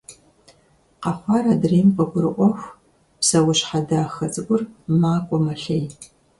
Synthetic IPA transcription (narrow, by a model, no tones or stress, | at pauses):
qɑχʷɑːɾɐdreːmpɐɡʷʊɾɨʔʷɔxʷ | psɐwʊɕħadaːxɐt͡sʼɨkʷʼʊrmaːkʷʼɔmɐɬej